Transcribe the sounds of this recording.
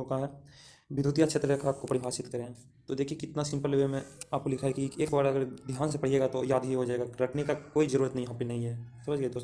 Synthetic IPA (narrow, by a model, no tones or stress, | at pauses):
okaɦɛ | bɪd̪ʱuːt̪ijaʃʰeːt̪ɾekəaːp̚kopɐɽibʱaːsɪt̪kɐɾẽ | t̪od̪eːkʰijekɪt̪nasɪ̃mpəleemẽaːp̚kolɪkʰaɦɛkieːkbaːɾɐɡəɾd̪ʱjaːnsepɐɽ̤ieːɡat̪ojaːd̪ʱɦiɦod͡ʒaːeːɡaɾɐkʰnekakoːizɐɾuːɾət̪nɐɦĩɦãpinɐɦĩɦɛːsɐməd͡ʒɡɛd̪oːs